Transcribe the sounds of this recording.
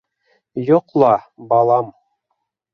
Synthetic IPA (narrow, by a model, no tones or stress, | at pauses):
joqlˠɑbɑlˠɑm